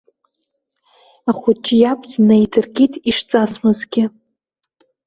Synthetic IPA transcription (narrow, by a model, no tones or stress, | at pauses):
aχʷʊt͡ʃʰʼjapʷʰʼtnajdɨrɡʲitʰʼiʂt͡sʼasmɨzɡʲɪ